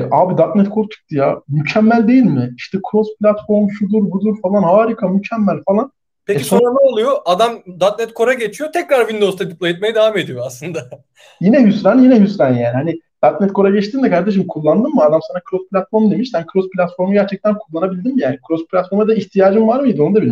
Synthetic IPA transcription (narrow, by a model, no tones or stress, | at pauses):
ʔaːbid̪at̪nɛt̪kʰoɾt̪ʰu̥k̚d̪ijamycʰɛmːælʲd̪e̞jilʲmɪiʃt̪ʰɛkʰɾospʰlʲat̪fo̞ɾmʃud̪uɾbud̪uɾfalˠanhaːɾikʰamycʰɛmːælʲfalˠan | pʰɛcisonɾanɛolˠujoʔad̪amd̪at̪̚nɛt̪̚kʰo̞ɾaɟet͡ʃʰijot̪ʰɛcɾaɾvind̪o̞st̪ad̪iplˠajit̪̚majad̪evame̞d̪ijoaslˠɯnd̪a | jinɛɦysɾanjinɛɦysɾanjæːnihanid̪̥at̪̚nɛt̪̚kʰo̞ɾaɟɛt͡ʃt̪ʰiːnd̪ɛkaɾd̪eʃ̬imkʰulˠːand̪ɯmːɯad̪amsanakɾospʰlʲat̪fo̞ɾmd̪emiʃsænkʰɾospʰlʲat̪fo̞ɾmuɟæɾt͡ʃʰɛc̚t̪ænkʰulˠːanabilʲd̪imijaːnikʰɾospʰlʲat̪fo̞ɾmad̪aiçt̪ʰijaːd͡ʒɯmvaɾmɯjid̪io̞nud̪abii